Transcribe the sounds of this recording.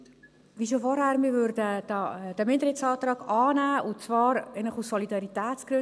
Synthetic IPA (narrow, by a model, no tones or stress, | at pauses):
ʋiʃ̬ofɔɾhæːɾmɪːvøɾdədd̥əmɪndəɾɪsɑːt̪ɾɑːɡɑːnæːʊnt͡svɑːɾɛɪnəχussɔlidɑɾitɛːt͡sɡ̥ɾʉ